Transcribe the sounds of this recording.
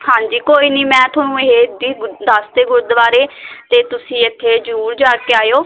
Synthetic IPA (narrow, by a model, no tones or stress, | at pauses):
hãːɲd͡ʒiːkoːiːniːmɛ̃ːt̪ʰoːnũːeɦeːd̪id̪ast̪eːɡʊɾd̪əʋaːɾeːt̪eːt̪ʊsĩːɪt̪ʰːeːd͡ʒəɾuːɾd͡ʒaːkeːaːjoː